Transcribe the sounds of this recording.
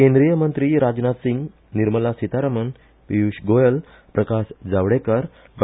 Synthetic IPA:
kẽnd̪ɾijəmənt̪ɾiːɾad͡ʑnat̪siŋɡ | niɾməlasit̪aɾəmən | pijuɕɡojəl | pɾəkasd͡zaʋɽekəɾ | ʋ

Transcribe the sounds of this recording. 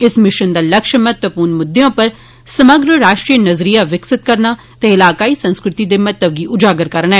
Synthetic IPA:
ɪsmɪʃənd̪aːləkʃmət̪ʋəpuːɾnmʊd̪ːejõːpəɾ | səməɡɾəɾaːʃʈɾiːnəzɾijaːʋɪksɪt̪̚kəɾnaː | t̪eːɪlaːkaːiːsə̃nskɾɪt̪iːd̪eːmət̪ːəʋɡiːʔʊd͡ʒaːɡəɾkəɾnɛː

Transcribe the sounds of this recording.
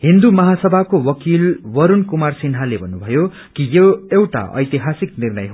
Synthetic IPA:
ɦind̪umʌɦasʌbʱakowʌkilwʌɾunkumarsinɦalebʱʌnːubʱʌjo | kijoewʈa̰ʔʌ̰jt̪iɦasik̚nirnʌjɦ

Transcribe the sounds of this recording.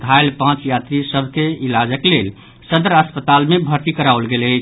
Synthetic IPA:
ɡ̪ʱajlpãt͡ʃjat̪ɾisəbʱkeilad͡ʒəklel | səd̪ɾəspət̪almebʱəɾt̪ikəɾawlɡelət͡ʃʰ

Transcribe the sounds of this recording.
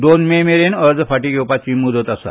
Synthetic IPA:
d̪onmemeɾenəɾd͡zpʰaʈiɡewpat͡ʃimːud̪ɔt̪asa̰

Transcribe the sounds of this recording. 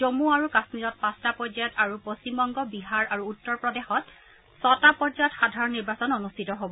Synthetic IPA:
d͡ʒomuaɹukasmizɔt̚pastapɔzajɔtaɹupost͡ʃimbɔŋɡɔbiɦaɹaɹuːtːɔɹpɹɔdexɔt | sɔtapɔzajɔtxadʱaɹɔnːiɹbasɔnonustʰitɔɦobɔ

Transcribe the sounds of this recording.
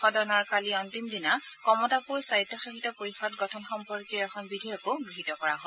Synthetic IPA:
xɔdɔnɔɹkaliɔntimdinakɔmɔtapuɹsaitːɔxexʰitɔpoɹixɔtɡɔtʰɔnxɔmpɔɹkɛɛxʰɔnbidʱɔjɔkoɡɹiɦitɔkɔɹaɦɔ

